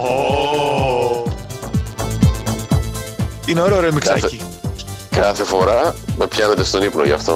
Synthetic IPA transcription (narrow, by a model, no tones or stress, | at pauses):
o | ineoɾeoɾemikɾɐaci | kɐθe̞fo̞ɾɐmepçɐnet̪est̪o̞nipnoʝɐ̰ft̪o̰